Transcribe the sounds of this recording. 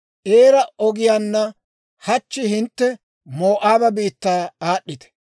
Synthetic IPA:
ʔeːɾɐʔɔɡɪjaːnːɐ | hɐt͡ʃːɪhɪnt̪ːɛ | mo̞ːʔaːbɐbiːt̪ːaːaːɗːɪt̪ɛ̥

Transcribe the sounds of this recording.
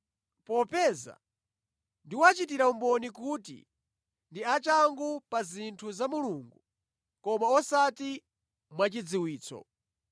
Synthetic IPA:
pɔpɛːza̰ | ndiwat͡ʃitiɾaumbɔnikuːtḭ | ndiat͡ʃaŋɡupazintʰuzamuluːŋɡu | kɔmaɔsati | mwat͡ʃid͡ziwiːt͡sʰɔ̰

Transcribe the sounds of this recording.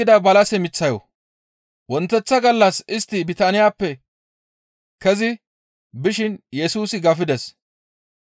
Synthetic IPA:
ɪd̪ɐbɐlɐsɛmɪt͡sːɐjɔ̰ | wɔnt̪ːɛt͡sːɐɡɐlːɐsɪst̪ːɪbɪt̪aːnɪjaːpːɛ | kɛzɪ | bɪʃɪnjɛsuːsɪɡɐfɪd̪ɛs

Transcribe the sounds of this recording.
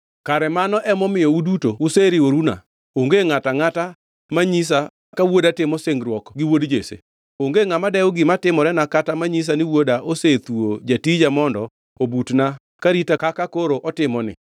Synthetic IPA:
kaɾɛmanɔʔɛmɔmɪjɔudutoʊseɾɪoɾuna̰ | oŋɡeŋataŋata | maɲis̬a | kawodatɪmɔseŋɡɾwɔkɡɪwodd͡ʒesḛ | oŋɡeŋamadɛoɡɪmatɪmɔɾɛnakatamaɲis̬anɪwodaʔoset̪uod͡ʒatid͡ʒamɔndɔ | obutna | kaɾitakakakoɾoʔɔtɪmɔnɪ̰

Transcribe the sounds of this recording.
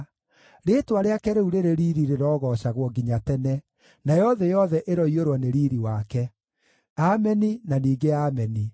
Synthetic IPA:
ɾeːtwaɾeakɛɾeuɾeɾeɾiɾiɾeɾɔːɣɔːɕaɣwɔɡiɲatɛnɛ | najɔðɛjɔðɛʔeɾɔioɾwɔneɾiːɾiwakɛ | amɛninaniːɡeaːmɛni

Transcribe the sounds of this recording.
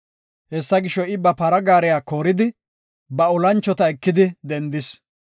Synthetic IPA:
hɛsːɐɡɪʃːɔɪbɐpɐɾɐɡaːɾɛjaːkoːɾɪd̪ɪ | bɐɔlɐnt͡ʃːɔt̪ɐɛkːɪd̪ɪd̪ɛnd̪ɪs

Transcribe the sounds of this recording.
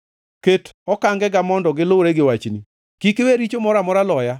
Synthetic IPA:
ketɔkaŋɡɛɡamɔndɔɡɪloɾeɡɪwat͡ʃni | kikɪweɾit͡ʃomɔɾamɔɾalɔja

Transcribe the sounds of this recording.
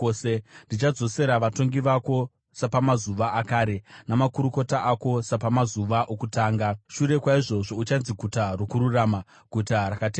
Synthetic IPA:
sendit͡ʃad͡zo̞se̞ɾaʋato̞ŋɡiʋako̞ | sapamazuʋaakaːɾe̞namakuɾuko̞taʔako̞sapamazuʋaʔokutaːŋɡaʃuɾe̞kwaiʐo̞ʐo̞ut͡ʃanziɡʱutarokuɾuraːma | ɡʱutaɾakate

